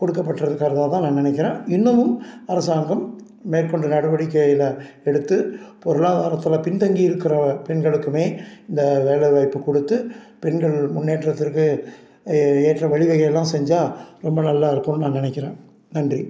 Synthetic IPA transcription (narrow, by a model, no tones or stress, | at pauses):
kɔɽɯkːɐpːɐʈːrɐðɯkaːɾɐðaːt̪ãːnãːnɪnɐk̬ːɪɾẽːɪnːɐʋɯmɐɾɐsaːŋɡɐm | meːrkɔɳɖɯnɐɽɯʋɐɽɪkːɐjɪlɐ | ɛɽɯt̪ːɯpɔɾɯɭaːðaːɾɐt̪ːɯlɐpɪnt̪ɐŋɡiɪɾɯkːɪɾɐpɛɳɡɐɭɯkːɯmeːɪnd̪ɐʋeːɭɐʋɐɪpːɯkɔɽɯt̪ːɯ | pɛnɡɐɭmʊnːeːʈːrɐt̪ːɪɾkːɯ | eːʈːrɐʋɐɭɪʋɐɣɐjɛlːãːsɛɲd͡ʒaːɾɔmbɐnɐlːaːɪɾɯkːɐmnɯnãːnɪnɛkːɪɾẽː | nɐndri